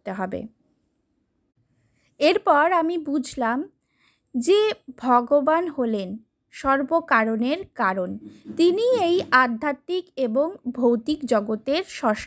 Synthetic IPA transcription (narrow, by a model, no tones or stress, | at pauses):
t̪eɦɔbḛ | eɾpɔɾamibud͡ʑʱlam | d͡ʑebʱɔɡobanɦolen | ʃɔɾbokaɾoneɾkaɾont̪iniejad̪ʱːat̪ːikeboŋbʱowt̪ikd͡ʑɔɡot̪eɾʃɔʃ